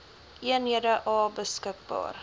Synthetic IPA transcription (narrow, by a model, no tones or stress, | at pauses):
ʔiənɦiədəʔɑːbəskək̚bɑ̰ːr